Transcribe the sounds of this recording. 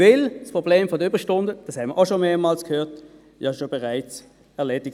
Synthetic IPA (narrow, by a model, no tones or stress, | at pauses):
ɪlspʁ̥obleːmfɔdəyːbʁəʃtʊndəd̥ɑshɛnməɐʔaʊʃomeːɐmɑːlskʰhøːɐt | ɑʃobɛʁaɪt͡s | ɛɐleːdɪk